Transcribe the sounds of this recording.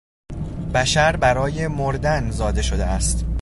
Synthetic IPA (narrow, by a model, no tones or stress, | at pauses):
bæʃæɾbæɾɒːje̞moɾd̪ænzɒːd̪e̞ʃo̞d̪ḛæst̪